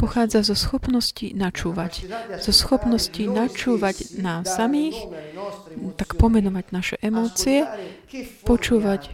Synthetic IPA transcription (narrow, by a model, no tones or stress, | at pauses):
pɔxaːd͡zazɔsxɔpnɔscinat͡ʃuːʋacz̥ɔsxɔpnɔscinat͡ʃuːʋaɟnaːsːamiːx | t̪akpɔmɛnɔʋaɟnaʃɛʔɛmɔːt͡siɛ | pɔt͡ʃuːʋac